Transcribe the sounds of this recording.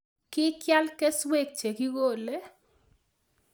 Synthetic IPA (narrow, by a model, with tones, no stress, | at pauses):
kɪ˦kja˦lke˦swe˦˨k̚t͡ʃe˨ki˦ɣo˦˨le˦